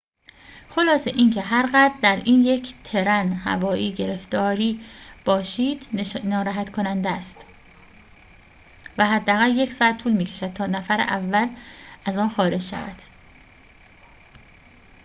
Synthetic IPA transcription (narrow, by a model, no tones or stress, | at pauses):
xo̞lɒːseʔiːŋcʰe̞ɦæɾɣæd̪ɾd̪æɾiːnjecʰt̪ʰe̞ɾænhæ̰vɒːiːɟe̞ɾe̞ft̪ɒːɾiːb̥ɒːʃiːd̪̥nɒːɾæɦæt̪kʰo̞nænd̪æst̪ | væɦæd̪ːææɣæljecsɒːæt̪̚t̪ʰːuːlmiːcʰe̞ʃæd̪̥̚t̪ʰɒːnæfæɾḛʔævːælæzɒːnxɒːɾe̞d͡ʒʃæ̰væ̰d̪̥